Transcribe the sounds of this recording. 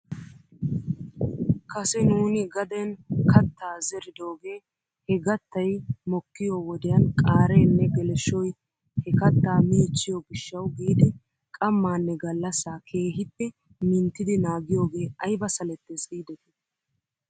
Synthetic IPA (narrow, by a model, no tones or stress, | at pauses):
kʰɐsɛnuːnɪɡɐd̪ɛnkɐt̪ːaːzɛɾɪd̪o̞ːɡe̞ː | hɛɡɐt̪ːɐjmɔkːɪjoːwɔd̪ɛjɐnkʼaːɾɛːnːɛɡɛlɛʃɔj | hɛkɐt̪ːaːmiːt͡ʃːɪjɔɡɪʃːɐwɡiːd̪ɪ | kʼɐmːaːnːɛɡɐlːɐsaːkʰe̞ːɦɪtːɛ | mɪnt̪ːɪd̪ɪnaːɡɪjo̞ːɡe̞ːɐjbɐsɐlɛt̪ːɛsʼiːd̪ɛt̪ɛ̥